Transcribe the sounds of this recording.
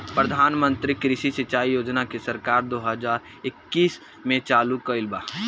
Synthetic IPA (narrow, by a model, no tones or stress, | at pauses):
pɾɐd̪ʱaːnmə̃nt̪ɾikɾɪʃisɐt͡ʃaːijoːd͡ʒnakesɐɾkaːɾd̪oːɦəzaːɾ | ɪkːiːs | mẽt͡ʃaːlukɐɪlbaː